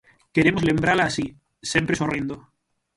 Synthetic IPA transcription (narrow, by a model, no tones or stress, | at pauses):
ke̞ɾemo̞zle̞mbɾalaːsi | sjempɾesorind̪o